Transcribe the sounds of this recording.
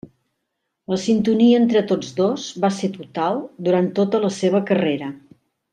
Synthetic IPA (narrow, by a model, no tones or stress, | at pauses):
ləsint̪uniəent̪ɾət̪od͡zðozbaset̪ut̪alˠd̪uɾant̪ːot̪ələseβ̞əkəreɾə